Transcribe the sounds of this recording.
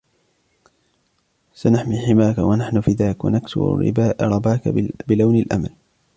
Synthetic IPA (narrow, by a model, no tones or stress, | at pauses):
sanaħmiħɪmaːkawanaħnʊfɪd̪aːkwa̰naksʊ̰ɾ̰ɾɪ̰baːʔɾˤɑbaːkbɪlawnalʔa̰mal